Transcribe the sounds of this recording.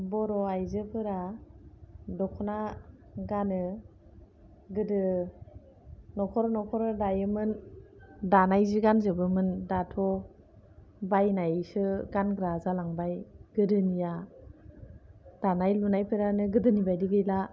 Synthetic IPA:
bɔɾɔajzɯpʰɯɾa | dɔkʰɔna | ɡanɯ | ɡɯdɯ | nɔkʰɔɾɔnɔkʰɔɾɯdajɯmɯn | danajziɡanzɯbɯmɯndatʰɔ | bajnajsɯɡanɡɾazalaŋbajɡ̥ɯdɯnija | d̥anajlunajpʰɯɾanɯɡɯdɯnibajdiɡɯjla

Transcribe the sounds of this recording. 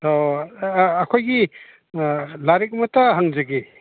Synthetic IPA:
toː | kʰojɡi | laɾek̚mɐtaɦaŋzaɡe

